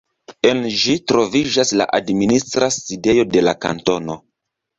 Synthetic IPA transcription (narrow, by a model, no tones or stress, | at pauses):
e̞nʒitɾo̞vid͡ʒasla̰ʔadministɾaside̞jo̞de̞laka̰nto̞no̞